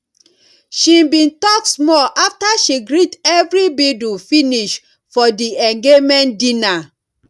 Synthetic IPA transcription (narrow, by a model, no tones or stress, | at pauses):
ʃĩbĩntɔksmɔʔaftaʃiɡɹitɛvɹibidufiniʃ | fɔdiɛ̃ŋɡemɛ̃ndĩna